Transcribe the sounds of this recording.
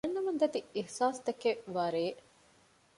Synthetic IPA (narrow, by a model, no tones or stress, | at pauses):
ɐnːɐmɐnd̪ɐt̪iihsaːst̪ɐkeʋɐɾeː